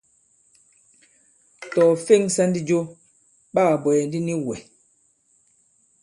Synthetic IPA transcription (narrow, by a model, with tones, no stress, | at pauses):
tɔː˨fe˦˨ŋsa˦ndi˦d͡ʒo˦ | ɓa˦a˨bɔ˨jɛ˨n˦di˦ni˦wɛ˨